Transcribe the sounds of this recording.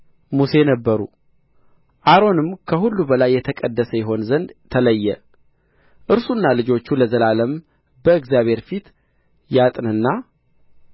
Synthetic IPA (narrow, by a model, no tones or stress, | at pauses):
muse̞nəbːəɾṵ | ʔaɾo̞nɨmkʰəhulːubəlajːɛt̪ʰəkʼəd̪ːəsəjɛɦo̞nzənd̪t̪ʰːələjːɛ | ʔɨɾsunːalɨd͡ʒo̞t͡ʃːuləzəlaləm | bəɨɡzjaβhe̞ɾfit̪ | jat̪ʼnɨnːa